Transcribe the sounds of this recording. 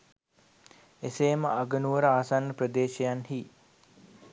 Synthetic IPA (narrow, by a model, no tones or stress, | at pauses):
eseːməaɡənuʋəɾəaːsanːəprəd̪eːʃejanhiː